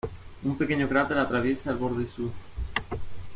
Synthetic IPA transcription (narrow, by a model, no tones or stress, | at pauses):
umpe̞keɲoɣɾat̪eɾat̪ɾaβ̞je̞saːlβo̞ɾðesu